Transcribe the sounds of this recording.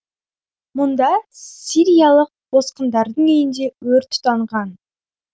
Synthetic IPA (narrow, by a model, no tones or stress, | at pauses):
mʊnd̪ɑsʲiɾʲijɑlˠəq̚b̥o̞sqənd̪ɑɾd̪əɴejɪnd̪e̞wɵɾt̪ʰːʊ̥t̪ːɑɴʁɑn